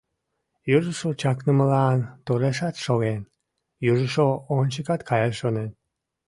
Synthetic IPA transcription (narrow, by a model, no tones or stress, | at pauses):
juʒəʃot͡ɕɑknəməlɑnt̪oɾeʃɑt̪ʃoɣen | juʒəʃoonʲt͡ɕəkɑt̪kʰɑjeʃonen